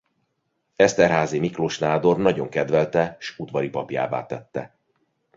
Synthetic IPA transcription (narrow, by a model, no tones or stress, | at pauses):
ɛst̪ɛrɦaːzimikloʃnaːd̪o̞rnɒɟo̞ŋkɛd̪vɛlt̪ɛʃud̪vɒɾipɒpja̰ːva̰ːt̪ɛt̪ːɛ̰